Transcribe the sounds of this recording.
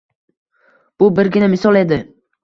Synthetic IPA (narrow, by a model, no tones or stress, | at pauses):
b̥ʊbɪɾɡʲɪnamɪsɒlˠe̞d̪ɪ